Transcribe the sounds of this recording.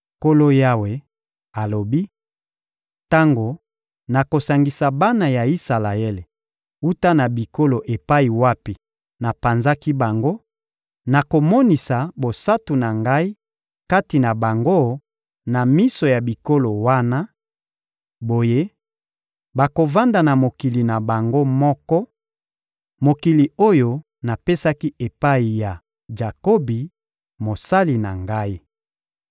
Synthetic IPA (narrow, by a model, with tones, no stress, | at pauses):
ko˦lo˦ja˦we˨ | a˨lo˨bi˦ | ta˦ŋɡo˨ | na˨ko˨sa˨ŋɡi˨sa˨ba˦na˨ja˨i˦sa˨la˨e˦le˨ | u˦ta˦na˨bi˨ko˦lo˨ʔe˨pa˦i˨wa˦pi˨ | na˨pa˨nza˦ki˦ba˨ŋɡo˦ | na˨ko˨mo˦ni˨sa˨bo˨sa˦tu˨na˨ŋɡa˦i˦ | ka˦ti˨na˨ba˨ŋɡo˦ | na˨mi˦so˨ja˨bi˨ko˦lo˨wa˦na˦ | bo˨je˦ | ba˨ko˨va˦nda˨na˨mo˨ki˨li˨na˨ba˨ŋɡo˦mɔ˦kɔ˦ | mo˨ki˨li˨o˦jo˨ | na˨pe˦sa˦ki˦ʔe˨pa˦i˨ja˨ | ʒa˨ko˦bi˨ | mo˨sa˦li˨na̰˨ŋɡa˦i˦